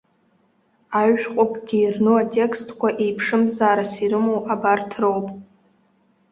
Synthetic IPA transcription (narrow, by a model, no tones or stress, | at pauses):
aɥqʷʼopʼɡʲiːrnoatʲʼe̞kʰstʰkʷaʔejpʰʂɨmzaːɾasiɾɨmowabartʰrowpʼ